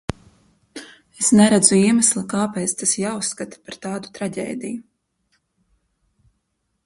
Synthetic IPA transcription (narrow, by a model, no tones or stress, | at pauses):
esnɛɾad̪zuiɛmaslˠakaːpɛːt̪st̪asjaːusːkat̪ḁpaɾt̪aːd̪u̥t̪ɾaɟʲḛːd̪iju